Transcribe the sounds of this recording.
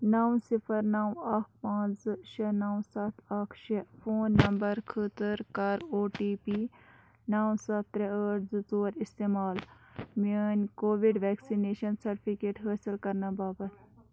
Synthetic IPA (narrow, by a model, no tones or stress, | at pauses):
nɐwsipʰɐɾnɐwɐkʰpãːt͡sʃɐnɐwsɐt̪ʰɐkʰʃepʰoːnːɐmbɐɾkʰət̪əɾkɐɾoːʈiːpi | nɐːwsɐt̪ːɾeəːʈzɨzoːɾist̪eːmaːlmenkoːʋiɖʋɛːksineːʃɐnsɐɾʈipʰikeːʈɦəːsilkɐɾnɐbaːbɐt̪ʰ